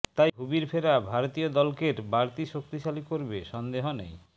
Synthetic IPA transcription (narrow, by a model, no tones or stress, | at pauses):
t̪ajɦubiɾfʰeɾabʱaɾot̪iod̪ɔlkeɾbʱaɾt̪iʃok̚t̪iʃalikoɾbeʃɔnd̪eɦonḛj